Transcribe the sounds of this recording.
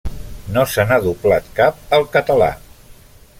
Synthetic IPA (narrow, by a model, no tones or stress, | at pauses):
nosənaðuplat̪kap̚əlˠkət̪əla̰